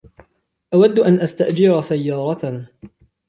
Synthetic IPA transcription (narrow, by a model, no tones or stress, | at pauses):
ʔawad̪ːʔanʔast̪aʔd͡ʒɪɾsajːɑːɾˤɑ